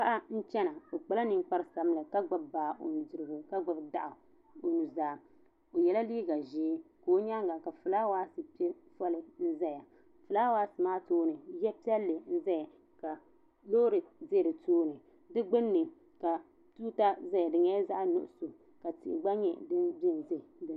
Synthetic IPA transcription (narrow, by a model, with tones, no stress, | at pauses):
ka˦ʔa˦n̩˦t͡ʃɛ˦na˨o˨k͡pa˨la˦nɨ˦ŋ˦k͡pa˦ɾɨ˦sa˨m˦lɨ˨ka˦ɡ͡ba˦bbaː˨ʔo̰˨n˨dɨ˨ɾɨ˨ɡʊ˨ka˦ɡ͡ba˦bda˨ʔa˨ | o˨nu˨zaː˦ | o˨jɛ˨la˦liː˦ɡa˨ʒiː˦koː˨˦ɲa˦ŋɡa˨ka˨fɨ˨laː˦waː˦sɨ˨pi˦ɛ˦ | fɔ˦lɨ˦˨n̩˦zɛ˦ja˨ | fɨ˨laː˦waː˦sɨ˨maː˦toː˦nɨ˨jɛ˦pi˦ɛ˦lːɨ˨n̩˦za˦ja˨ | ka˨ | loː˦ɾɨ˨de˦ɾɨ˨toː˦nɨ˨ | dɨ˦ɡ͡bɨ˦nːɨ˨ | ka˨ | tuː˦ta˦za˦ja˨dɨ˨ɲɛ˦za˦ʔnʊ̰˦ʔʊ˨so˨ | ka˨tḭ˨ʔɪ̰˨ɡ͡ba˦ɲɛ˨dɨ˦bi˦n˨ze˦˨dɨ˨